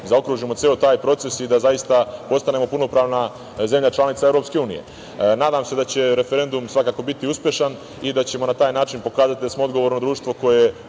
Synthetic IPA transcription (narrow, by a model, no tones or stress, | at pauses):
zao̞kɾuːʒimo̞t̪eːot̪aːjpɾo̞t̪se̞sid̪azajist̪apo̞st̪ane̞mo̞puno̞pɾaːʋna | ze̞mʎat͡ʃlˠanit̪saevɾo̞pske̞uːnḭje̞̰ | naːd̪amse̞d̪at͡ɕe̞ɾe̞feɾe̞nd̪umsʋakaːko̞bit̪iuspʲje̞ʃan | id̪at͡ɕe̞mo̞nat̪aːjnaːt͡ʃinpo̞kaːzat̪id̪asmoo̞d̪ɡo̞ʋo̞ɾnod̪ɾuːʃt̪ʋo̞ko̞je